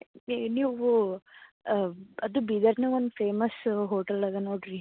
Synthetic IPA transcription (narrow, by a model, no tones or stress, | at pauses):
niːʋu | ɐd̪ubid̪ɐɾneond̪peːmɐsɦoːʈɐlɐɡ̪ɐnoːɖɾi